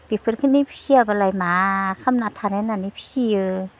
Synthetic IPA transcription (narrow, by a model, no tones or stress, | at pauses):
bipʰɯɾkʰɯnipʰi̥siabalajmakʰamnat̪ʰanananipʰi̥siɯ